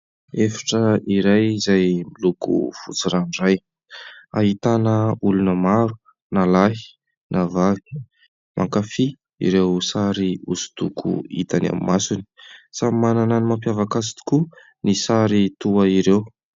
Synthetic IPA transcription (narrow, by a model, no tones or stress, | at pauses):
efḁʈ͡ʂəiɾajizajmilukṵfut͡siɾanɖ͡ʐaj | a̰ɦit̪anəulunəmaɾu̥ | nalaɦi̥ | navavi̥ | mʔa̰ŋkafi | ḭɾewsaɾiusu̥t̪ukʰṵḭt̪ana̰mimasuni̥sammanananimampjavakasi̥t̪i̥ku | nisaɾit̪uaiɾew